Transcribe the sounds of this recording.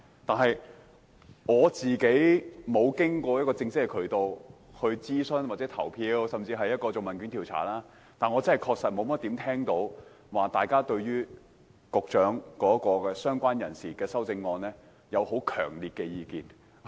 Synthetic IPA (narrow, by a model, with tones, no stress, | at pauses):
t̪aː˨nɦɐ˨j | ŋɔː˨˧t͡siː˨ke˨˥jmo˨˧wkɪ˥ŋkʷɔː˧jɐ˥kɔː˧t͡sɪ˧ŋsɪ˥k̚hɐ˨˧jkʰɵ˨˩ɥt̪o˧w | hɵ˧ɥt͡siː˥sɵ˥nwaː˨˩t͡sɛ˨˥t̪ʰɐ̰˨˩wpʰiː˧wsɐ˨mt͡siː˧ɦɐ˨jːɐ˥t̚kɔː˧t͡so˨wmɐ˨˩nkyː˨˥nt̪ʰi˨˩wt͡sʰa̰ː˨˩laː˥ | t̪aː˨nŋɔː˨˧t͡sɐ˥ɦɐ˨jkʰɔː˧ksɐ˨t̚mo˨˧wm˥t̪̚iː˨˥mt̪ʰɛː˥ŋt̪o˨˥w | waː˨t̪aː˨jkaː˥t̪ɵ˧ɥɥyː˥ | kʊ˨k̚t͡ʃœː˨˥ŋkɔː˨˥kɔː˧kɛː˧sœː˥ŋkʷaː˥njɐ˨˩nsiː˨kɛː˧sɐ˥wt͡sɪ˧ŋːɔː˧nlɛː˥ | jɐ˨˧who˨˥wkʰœ̰ː˨˩ŋliː˨t̚kɛː˧jiː˨˧kiː˨n